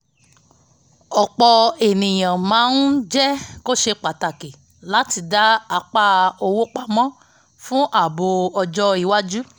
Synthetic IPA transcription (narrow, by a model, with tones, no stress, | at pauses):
ɔ˨k͡pɔ˧e˨nĩ˨j̃ã˨mãː˨˦n̩˦d͡ʒɛ˦ko˦ʃe˧k͡pa˨ta˨ke˨ | la˨˦ti˧˨da˨˦a˨˧˦k͡pa˦˧o˧wo˦k͡pa˧mɔ̃˦ | fũ˦ʔa˦˨bo˧ɔ˧d͡ʒɔ˦i˨wa˦d͡ʒu˦